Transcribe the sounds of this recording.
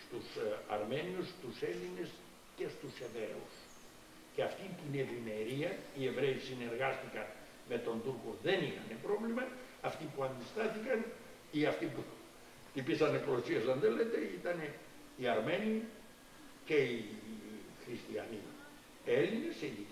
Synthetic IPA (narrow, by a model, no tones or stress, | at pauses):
st̪usɐ̰ɾme̞niust̪useline̞s | ce̞st̪use̞vɾe̞us | ceɐft̪int̪ine̞vime̞ɾiɐie̞vɾe̞isine̞ɾɣɐst̪ikɐn | me̞t̪o̞nt̪uɾkoðe̞nixɐnepɾo̞vlimɐːft̪ipuɐnd̪ist̪ɐθikɐn | iɐft̪ipu | t̪ipisɐnepoosiesɐnðelet̪eit̪ɐn | iɐɾme̞ni | ce̞i | xɾist̪iɐ̰nḭ | elineseði